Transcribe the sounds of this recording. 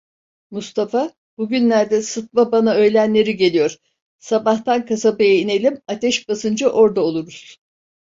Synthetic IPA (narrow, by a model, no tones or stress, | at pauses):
must̪ʰafa | buɟynlʲæɾd̪ɛsɯt̪̚mabanaø̞jlʲænlʲe̞ɾiɟe̞lʲijo̞ɾ̥ | sabaht̪ankʰasabejaine̞lʲimat̪ɛʃbasɯnd͡ʒaʔo̞ɾd̪aolˠuɾuzz̥